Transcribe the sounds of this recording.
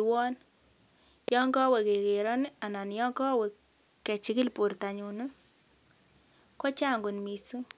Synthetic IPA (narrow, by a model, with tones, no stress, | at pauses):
wɔ˦n | jɔ˦ŋɡɔ˦wɛ˨ke˨ke˨ɾɔ˦n˦a˨na˨n˦jɔ˦ŋkɔ˦we˨ | kːɛ˨t͡ʃi˦ki˦lpu˨ɾta˨ɲu˨nu˦ | kɔ˦t͡ʃa˦˨ŋɡu˨nmi˨su˦ŋ